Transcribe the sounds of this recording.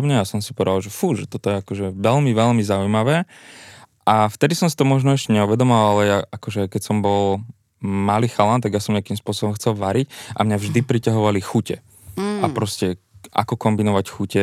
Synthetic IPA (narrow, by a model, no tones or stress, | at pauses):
bɲajasɔmsipɔʋɛd̪alˠʒɛfuʒɛt̪ɔt̪ɔjɛakɔʒɛʋɛlmiʋɛlmizaujmaʋɛː | ʔaft̪ɛd̪isɔmsi̥t̪ɔmɔʒnɔɛʃcɛɲɛuʋɛd̪ɔmɔaalɛjaʔakɔʒɛkɛcsɔmbɔl | maliːxalant̪aɡjasɔmɲeakiːmspʊɔsɔbɔmxt͡sɛlˠʋaɾicʔa̰mɲavʒd̪ipɾicaɦɔʋalixucɛ | ʔapɾɔscɛ | a̰kɔkɔmbinɔʋacxucɛ